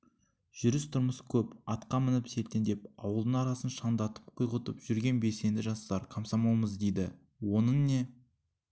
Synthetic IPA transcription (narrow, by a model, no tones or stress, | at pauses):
ʒ̥ʏɾɪst̪ʰʊɾməskʲʰɵpɑt̪qɑmɪnɪpse̞lt̪end̪e̞pɑwəlˠd̪əɴɑɾɑsənʃɑnd̪ɑt̪ə̥p̚qʰʊjʁət̪əpʒ̥ʏɾɡʲe̞nbe̞se̞nd̪ɪʒɑst̪ɑɾkʰɑmsɑmɑwməzd̪e̞jd̪ɪ | wo̞nəɴne̞